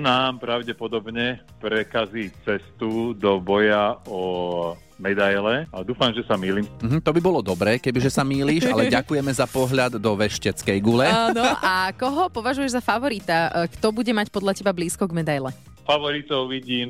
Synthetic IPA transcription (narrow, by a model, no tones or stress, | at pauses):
naːmpɾaʊɟɛpɔd̪ɔbɲɛpɾɛkaziːt͡sɛst̪ud̪ɔbɔjaɔ | mɛd̪ajlɛad̪uːfamʒɛsamiːliːmm̩ɦm̩t̪ɔbibɔlɔd̪ɔbɾɛːkɛbiʒɛsamiːliːʒa̰lɛɟakujɛmɛzapɔɦʎad̪ːɔʋɛʃcɛt͡skɛjɡulɛanɔakɔɦɔpɔʋaʒujɛʒzafaʋɔɾit̪akt̪ɔbuɟɛmacpɔd̪ʎacɛbabliːskɔɡmɛd̪ajlɛ | faʋɔɾit̪ɔʊʋiɟiːm